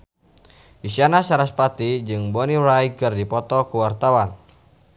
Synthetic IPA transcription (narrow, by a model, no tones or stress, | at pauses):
ʔisianasaɾaspat̪id͡ʒɨŋbɔniɾajkɨrdipɔt̪ɔkuwart̪awan